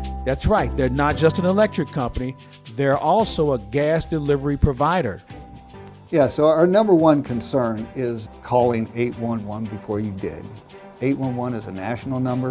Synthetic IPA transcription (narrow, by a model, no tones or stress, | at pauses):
ðætsɹaɪt̪̚ðə˞nət̚d̥ʒ̥ʌstɨ̃nəlɛk̚t͡ʃɹ̥ɨkʰʌ̃mpəni | ðə˞ʔɔlˠsoʊəɡæsd̥ɨlɪvə˞ipʰɹ̥ɨvaɪɾə̰˞ | jæsoʊənʌ̃mbə˞wʌ̃nkʰɨ̃nsɜ̃˞nɪzkʰɔlˠɪ̃ŋeɪʔ̚wʌ̃nwʌ̃nbɨfɔɹjɨdɪ̰d | eɪt̚wʌ̃nwʌ̃nɨzɨnæʃn̩l̩ˠnʌ̃mbə˞